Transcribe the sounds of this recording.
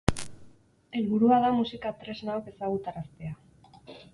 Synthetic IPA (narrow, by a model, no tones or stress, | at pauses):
e̞lβuɾuað̞amusikat̪ɾe̞znaoke̞saɣ̞ut̪aɾast̪e̞a